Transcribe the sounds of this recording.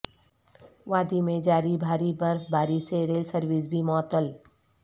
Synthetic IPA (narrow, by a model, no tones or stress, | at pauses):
ʋaːd̪imẽd͡ʒaːɾibʱaːɾibɐɾfbʱaːɾiseɾeːlsəɾʋis̬bʱimɔːt̪əl